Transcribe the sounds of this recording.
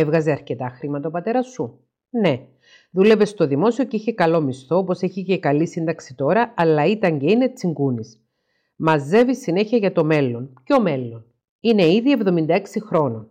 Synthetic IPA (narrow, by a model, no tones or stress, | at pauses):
evɣɐze̞ɐɾce̞t̪ɐxɾimɐt̪ɐopɐt̪e̞ɾɐsːu | ne̞ | ðule̞ve̞st̪o̞ðimo̞sio̞ceiçe̞kɐlo̞mist̪o̞opo̞seçice̞kɐlisind̪ɐksit̪o̞ɾɐɐlːɐit̪ɐɲɟe̞ine̞t͡siŋɡunis | mɐze̞visine̞çiɐʝɐt̪o̞me̞lːo̞nceo̞me̞lːo̞n | ine̞iðie̞vðo̞mind̪ɐe̞ksixɾo̞no